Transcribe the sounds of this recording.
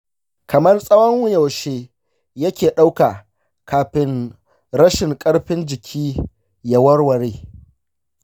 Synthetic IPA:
kʰɐ˨mɐ˦rsʼɐ˦wɐ˦ŋwʊ˦jɐ˨wʃeː˦ | jɐ˦kʲeː˨ɗa˦wka˨ | kaː˨ɸɪ˦n | ɾɐ˦ʃɪ˨ŋkʼɐ˦ɽɸɪ˦nd͡ʒɪ˨kʲʰiː˦ | jɐ˨wɐ˦rwɐ˨ɾeː˦

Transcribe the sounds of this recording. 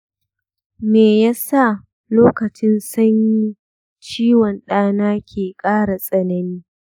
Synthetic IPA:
meː˨ja˦sa˦˨ | loː˦kɐ˨t͡ʃɪ˦nsɐ˦ɲji˦ | t͡ʃiː˦wɔ˨nɗaː˦naː˦kʲʰeː˨kʼaː˦ɽa˨sʼɐ˨nɐ˦niː˦

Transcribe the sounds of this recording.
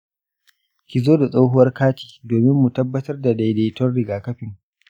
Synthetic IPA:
kʲi˨zoː˦da˨sʼa˦wɦʊ˦wɐ˦rkaː˦ti̥ː˨doː˨mɪ˦mːu˨tɐ˦bːɐ˦tɐ˦rda˨da˨jdeː˨jtɔ˦rɽɪ˨ɡaː˨kɐ˦ɸɪ˨ŋ

